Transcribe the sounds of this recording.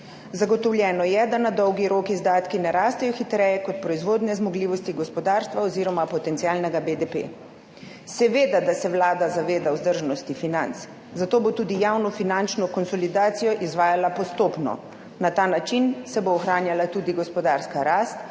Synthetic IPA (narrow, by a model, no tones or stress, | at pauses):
zaɡɔt̪ɔwlʲjɛːnɔjɛd̪anad̪ɔwɡiɾoːkizd̪aːt̪kinɛɾaːst̪ɛjɔxit̪ɾɛːjɛkɔt̪̚pɾɔizʋoːd̪nɛzmɔɡliːʋɔst̪iɡɔspɔd̪aːɾst̪ʋaɔziːɾɔmapɔt̪ɛnt̪siaːlnɛɡabed̪epḛ | sɛʋeːd̪ad̪asɛwlaːd̪azaʋeːd̪awzd̪əɾʒnɔst̪ifinant̪s | zat̪oːbot̪ud̪ijawnɔfinant͡ʃnɔkɔnsɔlid̪aːt̪sijɔʔizʋaːjalapɔst̪oːpnɔ̰ | nat̪aːnat͡ʃinsɛboːxɾaːnjalat̪uːd̪iɡɔspɔd̪aːɾskaɾaːst̪